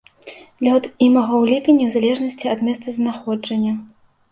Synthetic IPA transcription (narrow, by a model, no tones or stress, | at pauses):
d̪lʲaɔd̪imɐɣɐwlʲipʲinʲːiwzalʲɛʐnɐsʲt͡sʲiɐd̪mʲɛst̪ɐznaxɔd͡ʐɐnʲːɐ